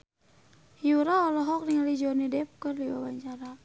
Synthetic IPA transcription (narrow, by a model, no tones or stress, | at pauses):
hjuɾaɔlɔɦɔk̚niŋalid͡ʒɔnidɛp̚kɨrliwabaɲt͡ʃaɾa